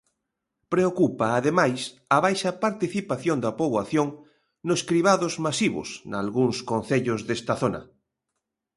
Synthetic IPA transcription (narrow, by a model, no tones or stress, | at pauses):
pɾeokupaːðemajs | ɐβajʃɐpaɾt̪iθipaθjond̪ɐpoβaθjoŋ | noskɾiβ̞aðozmasiβʊ̰sna̰lɣuŋskõnθeʎʊzðest̪ɐθonɐ̰